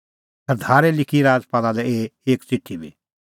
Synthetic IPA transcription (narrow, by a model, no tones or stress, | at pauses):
sɐɾd̪ʱaːɾɛlɪkʰiɾaːd͡zpaːlalɛeːeːkt͡sɪʈʰːibḭ